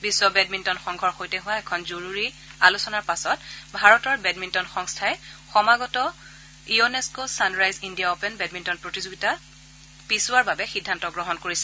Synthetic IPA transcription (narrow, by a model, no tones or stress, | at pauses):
bisːɔbɛd̚mintɔnxɔŋɡʱɔɹxojtɛɦʊwaɛkʰɔnzoɹuɹi | alusɔnaɹpasɔtbʱaɹɔtɔɹbɛdmintɔnxɔŋstʰaɛxɔmaɡɔtɔ | ioneskosanɹajzindijaopɛnbɛdmintɔnpɹotizoɡita | pisʊwaɹbabɛxidʱːantɔɡɹɔɦɔnkoɹisɛ